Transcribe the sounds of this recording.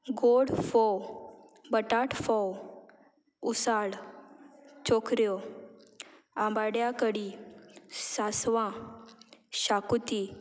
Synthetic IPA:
ɡoɽfɔw | bəʈaʈfɔw | usaɽ | t͡ɕokɾjɔ | ãmbaɽjakəɽi | sasʋã | ɕakut̪i

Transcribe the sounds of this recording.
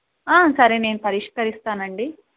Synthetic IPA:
aːsɐɾene̞ːnupɐɾiʂkɐɾist̪aːnɐɳɖi

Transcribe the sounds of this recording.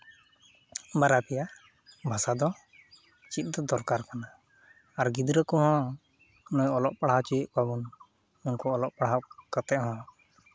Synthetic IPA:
baɾapɛja | bʱasad̪ɔ | t͡ʃit̪̚ˀd̪ɔd̪ɔɾkaɾkanaː | ɾɡid̪ɾəkɔɦɔ̃ | nɔjɔlɔʔpaɽ̤at͡ʃit̪kabun | unkɔɔlɔʔpaɽɦakət̪ɛʔɦɔ̃

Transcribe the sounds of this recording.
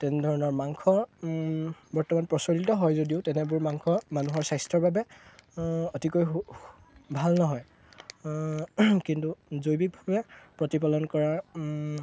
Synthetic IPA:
tɛnɛdʱɔɹɔnɔɹmaŋkʰɔ | bɔɹtɔmanpɹɔsɔlitɔɦɔjzodiʊtɛnɛbʊɹmaŋkʰɔmanuɦɔɹsajstʰɔɹbabɛ | ɔtikoj | bʱalnɔɦɔj | kintuzojbik̚bʱabɛpɹɔtip̬alɔnkɔɹaɹ

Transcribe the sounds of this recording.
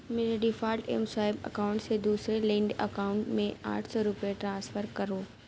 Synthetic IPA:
mɪləɖifaːɾʈḛːmsaːɪbɐ̰kaːʊ̃ɳʈsed̪uːsɾelĩːɳɖɐkaːʊ̃ɳʈmẽa̰ːʈʰsɔɾʊpjeʈɾãːnsfəɾkɐɾoː

